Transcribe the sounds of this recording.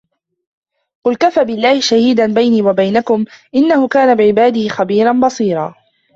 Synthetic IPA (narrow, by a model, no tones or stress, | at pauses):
qʊlkafaːbɪlːaːhɪʃahiːd̪anbajniːwabajnakʊmʔɪnːahʊkaːnabɪʕɪbaːd̪ɪhɪxabiːɾanbɑsˤiːɾˤɑː